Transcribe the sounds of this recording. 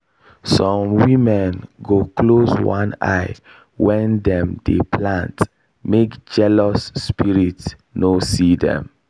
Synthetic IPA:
sɔ̃mwimɛnɡoklozwãna̰ɪ | wɛ̃ndɛ̃mdeplãnt | mekd͡ʒɛlɔsːpiɾit | nosidɛ̰̃m

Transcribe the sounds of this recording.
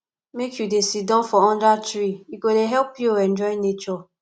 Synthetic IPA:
mekʰjudesidɔ̃nfɔɔ̃ndatɾiikodeɦɛlpjoɛ̃nd͡ʒɔɪnet͡ʃɔ

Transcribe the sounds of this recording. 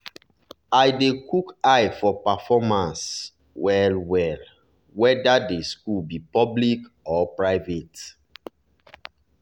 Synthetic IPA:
ajdekukajfɔpafɔmãns | wɛlwɛl | wɛdadeskulbipɔblik | ɔpɹaɪvet

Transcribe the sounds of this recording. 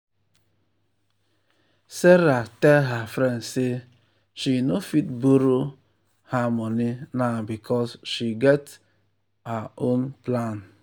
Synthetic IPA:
seɾatɛlɦafɾɛnse | ʃinofitboɾo | hamɔninabikʰɔsʃiɡɛt | aõnplan

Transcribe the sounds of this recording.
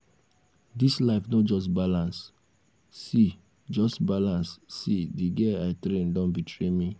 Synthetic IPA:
dislaɪfnod͡ʒɔstbalãnsː | i | d͡ʒɔstbalãnssidiɡɛaɪtɾẽndɔ̃nbitʰɾemi

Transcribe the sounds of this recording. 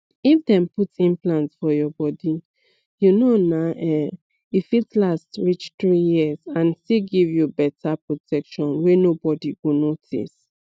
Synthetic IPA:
ifdɛ̃mputĩmplãntsfɔjɔbɔdi | junonaʔɛ | ifitlastɹit͡ʃtɹijiɛzãnstiɡivjubɛtʰapɹotʰɛkʃɔ̃nwenobɔdiɡonotʰḭs

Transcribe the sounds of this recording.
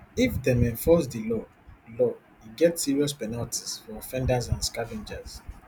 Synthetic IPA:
ifdɛ̃mɛ̃ɱfɔsdəlɔ | lɔ | iɡɛtsiɹiɔspɛnaltʰizfɔːfɛ̃ndazãnskavɛ̃nd͡ʒaz

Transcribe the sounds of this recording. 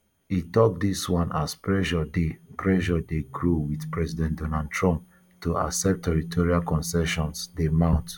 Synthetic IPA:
hitɔk̚diswãnaspɹɛʃɔdepɹɛʃɔdeɡɹuwidpɹɛzidɛ̃ntdonald̚tʰɹɔ̃mp̚ | tuʔa̰sɛp̚tʰːɛɹitʰɔɹialkɔ̃nsɛʃɔ̃nsdemãʊ̃nt

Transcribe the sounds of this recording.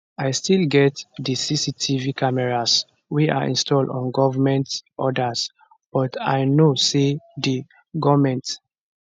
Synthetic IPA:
ajstilɡɛtdəsisitʰivikamɛɹas | wia̰ʔḭ̃nstɔldɔ̃nɡɔvamɛ̃ntʔɔdas | b̥ɔta̰jnosedi | ɡɔvmɛ̃nt

